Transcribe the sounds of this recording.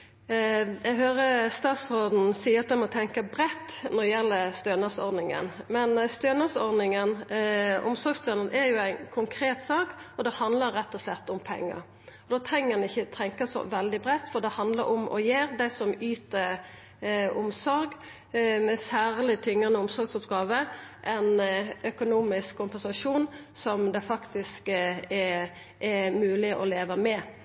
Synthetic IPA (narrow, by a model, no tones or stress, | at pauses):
ɛɡɦøːɾəst̪ɑːt̪sɔd̪n̩siːəɑt̪d̪ɛmɔt̪ʰɛŋkɑbɾɛt̪ːnɔdəjɛlːəst̪øːnɑsɔ̰ɾd̪nɪŋə̰nmɛnst̪øːnɑsɔɾd̪nɪŋən | ʊ̰msɔɾɡst̪øːnənʔɛɾjʊæɪnkʰʊŋkʰɾeːt̪sɑːkɔd̪ɛhɑnd̪ləɾːɛt̪ːɔslɛt̪ːʊmpʰɛ̰ŋːə̰ | ɔd̪oːt̪ʰɾɛŋːənɪçːət̪ʰɛŋkəsɔ̰ʋɛld̪ɪbɾɛt̪ːfɔd̪ɛhɑnd̪ləɾɔmʔɔ̰jeːɾd̪æɪsɔmyːt̪əɾ | ʊ̰msɔɾɡ | mɛsæːʁlɪt̪ʰʏŋːənəʊmsɔɾɡsʊpɡɑːʋəʔɛnœkʊnuːmɪskkʰʊmpɛnsɑʂuːnsɔmd̪ɛfɑkt̪ɪskɛ | ʔɛmʉːlɪʔɔleːʋəmɛ